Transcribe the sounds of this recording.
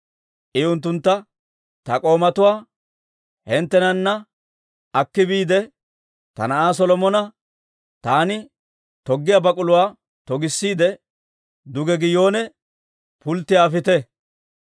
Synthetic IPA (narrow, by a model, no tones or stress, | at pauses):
ʔɪʊnt̪ːʊnt̪ːɐ | t̪ɐkʼo̞ːmɐt̪ʊwaː | hɛnt̪ːɛnɐnːɐ | ɐkːɪbiːd̪ɛ | t̪ɐ̰nɐʔaːs̬ɔlɔmɔnɐ | t̪aːnɪ | t̪ɔɡːɪjabɐkʼʊlʊwaː | t̪ɔɡɪsːiːd̪ɛ | d̪ʊɡɛɡɪjo̞ːnɛ | pʊlt̪ːɪaːfɪt̪ɛ